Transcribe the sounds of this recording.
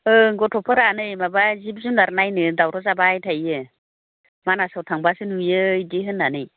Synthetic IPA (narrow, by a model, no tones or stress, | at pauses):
ɯɡɔtʰɔpʰɯɾanɯjmabazib̚zunlaɾnajnɯdawɾɔzabajtʰajɯ | manasawtʰaŋbasɯnujɯideɦɯnːanɯj